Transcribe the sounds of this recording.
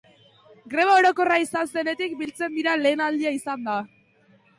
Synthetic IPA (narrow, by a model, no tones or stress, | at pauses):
ɡɾe̞βao̞ɾo̞ko̞raisanse̞ne̞t̪ik̚bilt͡se̞nd̪iɾale̞ːnald̪iaisand̪a